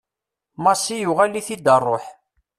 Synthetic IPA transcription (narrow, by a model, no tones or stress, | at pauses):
mɑsijʊʁælːiθid̪ərˤːoħ